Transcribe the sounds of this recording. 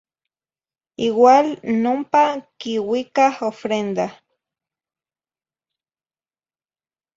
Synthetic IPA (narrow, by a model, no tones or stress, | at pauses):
iwalnompakiwikahofɾend̪a